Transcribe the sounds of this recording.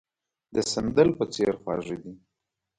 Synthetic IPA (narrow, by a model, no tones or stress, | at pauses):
d̪əsənd̪əlpət͡seɾxwɑ̰ʐid̪i